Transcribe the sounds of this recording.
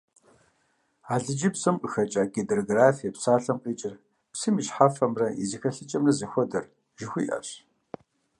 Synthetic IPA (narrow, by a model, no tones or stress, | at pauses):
aːɮɨd͡ʒɪbsɐmqʼəxɐt͡ʃʼaːɡedɐroɡraːfijɐpsaːɬɐmqʼiːt͡ʃʼɪr | psimiʃħafɐmrɐḭzixɐɬɨt͡ʃʼɐmrɐzɐxʷɔdɐr | ʒɪxʷiːʔɐ̰ɕ